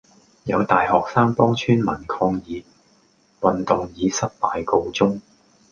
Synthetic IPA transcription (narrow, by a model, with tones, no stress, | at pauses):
jɐ̰˨˧wt̪aː˨jhɔː˨k̚saː˥ŋpɔː˥ŋt͡ʃʰyː˥nmɐ̰˨˩nkʰɔː˧ŋjiː˨˧ | wɐ˨nt̪ʊ˨ŋjiː˨˧sɐ˥t̚paː˨jko˧wt͡sʊ˥ŋ